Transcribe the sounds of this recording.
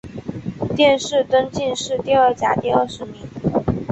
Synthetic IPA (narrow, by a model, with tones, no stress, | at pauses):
t̪jɛ˥˧nʂɻ̩˥˩t̪ə˥nt͡ɕi˥˧nʂɻ̩˥˧t̪i˥˧ə˥˩t͡ɕja̰˨˩t̪i˥˧ə˥˩ʂɻ̩˧˥mi˧˥ŋ